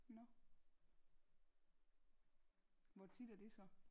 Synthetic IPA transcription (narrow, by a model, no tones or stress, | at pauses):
nɒ | ʋɒt͡sʰid̥æɐd̥e̝sɒ̽